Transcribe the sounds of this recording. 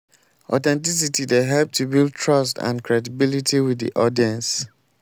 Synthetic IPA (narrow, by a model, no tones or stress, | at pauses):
ɔ̰tɛ̃ntis̬itideɦɛlp̚tʰubild̚tʰɹʌstã̰nkʰɹɛdibilitʰiwiðḭʔɔdiɛ̃ns